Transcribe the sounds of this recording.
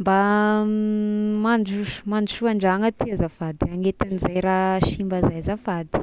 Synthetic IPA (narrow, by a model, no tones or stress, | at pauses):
mba | mand͡ʒuʃmanuʃuaɳɖ͡ʐaŋət̪iazafad̪iaŋet̪anizajɾaʃimbazajzafad̪i̥